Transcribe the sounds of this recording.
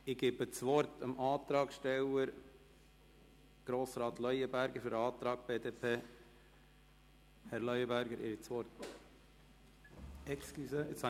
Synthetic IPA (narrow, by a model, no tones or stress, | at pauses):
ɪɡebət͡sʋɔɾtəmʔɑːt̪ɾɑːkʃtɛwəɾ | ɡ̥ɾoːsɾɑːt̪lœʏəbæɾɡəɾfʏɾəɑːt̪ɾɑːɡ̥̚b̥eːd̪eːpʰeː | hɛɾlœʏəbæɾɡəɾɪ̰ɾit͡sʋɔɾt̪ | ɛksklysəɪt͡ssa